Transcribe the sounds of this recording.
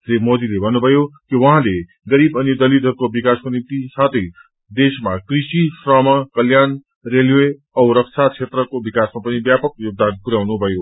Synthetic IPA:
d͡zemod̪ilebʱʌnːubʱʌjokiwʌɦãle | ɡʌɾibʌnjid̪ʌlit̪ɦʌɾukobikaskonimt̪isat̪ʰʌj | d̪esmakrisisrʌmakʌljan | relwe | ʌwɾʌk̚t͡sʰat͡sʰet̪rʌkobikasmapʌnibjapʌkjoɡ̚d̪anpuɾawnubʱʌjo

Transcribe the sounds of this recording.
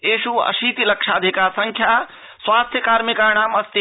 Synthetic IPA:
eːsuə̰sit̪iləkʃʰaəd̪ʱikaɾsəŋkʰja | sʋaːst̪ʰjəkaːɾmikaɳ̃aːməst̪i

